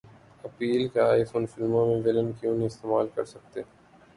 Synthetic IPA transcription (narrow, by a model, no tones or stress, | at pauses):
ɐpiːlkeaːɪfoːnfɪlmõmẽʋɪlə̃nkjũːniɪst̪eːmaːlkɐ̰ɾsɐk̚t̪eː